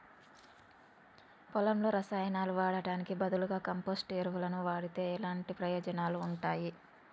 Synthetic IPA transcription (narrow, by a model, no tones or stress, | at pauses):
pɔlɐmlo̞ːɾɐsaːjɐnaːluʋaːɽɐɖaːnikibɐd̪ɐluɡaːkɐmpoːsʈeːɾʋulɐnuʋaːɽit̪e̞ːilaːɳʈipɾɐjɔːd͡ʒɐnaːluːɳʈaːji